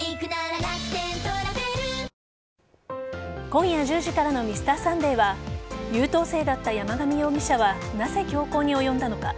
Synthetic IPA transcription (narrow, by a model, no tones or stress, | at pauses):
ikɯnaɾaaki̥t̪ent̪oɾaeɾɯ | kõ̞ɰ̃jaʑɨːʑikaɾano̞mʲisɨ̥t̪aːsãnd̪e̞ːβajɯːt̪o̞ːse̞ːd̪at̪ːajamaɡamʲijo̞ːmʲiɕaβanaze̞kʲo̞ːko̞ːɲ̟io̞jõ̞nd̪ano̞ka